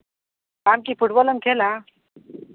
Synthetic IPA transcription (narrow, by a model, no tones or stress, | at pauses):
kamkifuʈbɔlənkʰela